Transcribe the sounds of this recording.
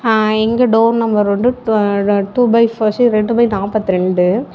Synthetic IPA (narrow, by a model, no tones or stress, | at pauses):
ɛŋɡɐɖɐːnnɐmbɐɾʋɐɳɖɯ | ʈubɐɪfɐsiɾɛɳɖɯpɐɪnaːpɐt̪ːɯɾɛɳɖɯ